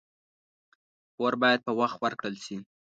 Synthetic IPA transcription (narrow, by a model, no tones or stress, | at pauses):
oɾbɑjad̪̚pəwaxt̪wəɾkɽəlʃi